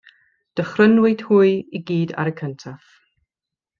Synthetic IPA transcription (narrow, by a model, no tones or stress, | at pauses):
d̥əχrənwɪd̥huɨiɡiːda̰ɾəkʰəntʰaf